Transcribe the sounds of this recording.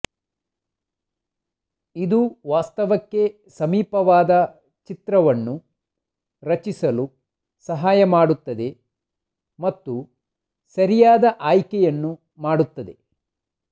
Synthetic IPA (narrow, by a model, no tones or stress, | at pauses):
id̪uʋaːst̪ɐʋɐkːe̞ | sɐmiːpɐʋaːd̪ɐ | t͡ʃit̪ɾɐʋɐnːu | ɾɐt͡ʃisɐlu | sɐɦaːjɐmaːɽut̪ːɐd̪e̞ | mɐt̪ːu | sɐɾijaːd̪ɐʔaːjkɛjɐnːu | maːɽut̪ːɐd̪e̞̰